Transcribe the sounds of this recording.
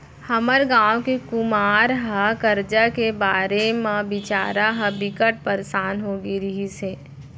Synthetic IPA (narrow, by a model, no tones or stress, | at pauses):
həməɾɡãːwkikʊmaːɾɦəkəɾd͡ʒakebaːɾemãbɪt͡ʃa̰ːɾaɦəbɪkəʈ̚pəɾsaːnɦoːɡiɾiɦise